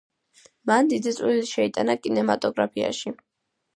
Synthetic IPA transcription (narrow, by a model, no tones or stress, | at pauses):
mand̪id̪it̪sʼwiliʃɛit̪ʼanakʼinɛmat̪ʼɔɡɾapʰia̰ʃi